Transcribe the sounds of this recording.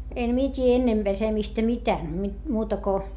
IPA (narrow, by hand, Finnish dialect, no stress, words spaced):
en mie tʲiː enːem b̥esemistæ mitæː mi muːtɑ ko